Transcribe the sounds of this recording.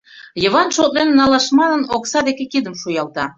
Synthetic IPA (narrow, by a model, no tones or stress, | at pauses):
jə̆βɑnʃot̪lenːɑlɑʃmɑnənoksɑd̪ekekid̪əmʃujɑlˠt̪ɑ